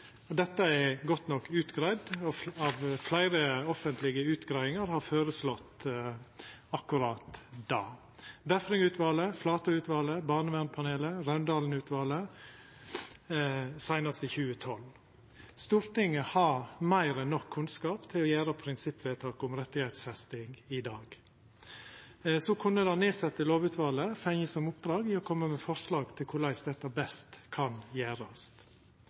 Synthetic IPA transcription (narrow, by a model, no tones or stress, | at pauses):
ɔd̪ɛt̪ːəɛɡɔt̪nɔkːʉːt̪ɡɾæɪd̪ɔɑʋflæɪɾəɔfənt̪ʰlɪɡəʉːt̪ɡɾæɪʋɪŋəɾhɑføːɾəslɔt̪ː | ɑkːʉɾɑːt̪d̪ɑː | b̪æfɾɪŋʉːt̪ʰʋɑːləflɑːt̪ɑʉːt̪ʋɑːləbɑːɳəʋænpʰɑneːləɾœnd̪ɑːln̩ʉːt̪ʋɑːlə | sæɪnɑst̪əçʉːət̪ʰɔl | st̪uːɾt̪ɪŋːəhɑɾmæɪɾənɔkʰːʉnskɑːpt̪ʰɪlɔjæːɾəpʰɾɪnsɪpːʋeːt̪ʰɑːkɔmɾɛt̪ːɪhæɪt̪sfɛst̪ɪŋɡɪd̪ɑːɡ | sɔkʰʉnːəd̪ɑneːsɛt̪ːəloːʋʉːt̪ʋɑːləfɛŋəsɔmʊp̚d̪ɾɑːɡɪɔkʰɔmːəmɛfɔɾʂlɑːɡt̪ʰɪlkʰʊlæɪsd̪ɛt̪ːɑbɛst̪kʰɑnjæːɾɑst̪